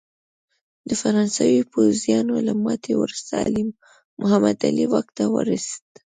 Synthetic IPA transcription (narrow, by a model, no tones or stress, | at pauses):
d̪əfaɾɑnsawipozjɑnolamɑt̪ʰewəɾsɑlɪmː | ʊɦamad̪aliwaxt̪awə̰ɾased̪̥